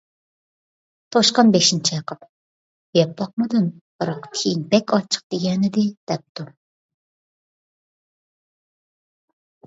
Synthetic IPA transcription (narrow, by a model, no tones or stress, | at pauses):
t̪ʰoʃqɑnbeʃint͡ʃʰijɑqʰəp | jɛplˠɑq̚mɨd̪unb̥ɨɾɑqtʲʰiŋbɛkʲɑt͡ʃʰə̥q̚d̪̥eɡʲɛnɪd̪ɪd̪̥ɛp̚t̪u